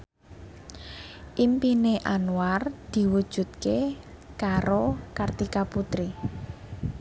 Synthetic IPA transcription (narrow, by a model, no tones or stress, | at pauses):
ʔimpineʔanward̪̥i̤wud̥ʒ̥ṳt̪̚ke | kaɾokart̪ikaput̪ɾi